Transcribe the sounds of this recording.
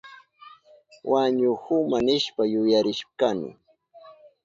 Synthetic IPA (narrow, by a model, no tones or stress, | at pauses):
wʔaɲʊhʊmanɪʃpajʊjaɾɪʃkanɪ̰